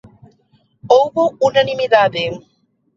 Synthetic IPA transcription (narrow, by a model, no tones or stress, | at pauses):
owβounanimiðaðeŋ